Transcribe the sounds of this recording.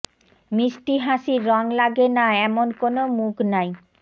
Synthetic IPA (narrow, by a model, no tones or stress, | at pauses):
miʃʈiɦaʃiːɔŋlaɡenaɛmonkonomukʰnaj